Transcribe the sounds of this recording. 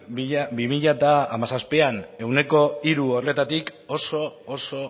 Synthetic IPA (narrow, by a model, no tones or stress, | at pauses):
biʎabimiʎat̪aːmasaspe̞ane̞wne̞ko̞iɾuolet̪at̪iko̞so̞ːso̞